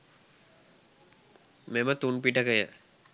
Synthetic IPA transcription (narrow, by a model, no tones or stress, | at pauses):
memət̪unpiʈəkəjə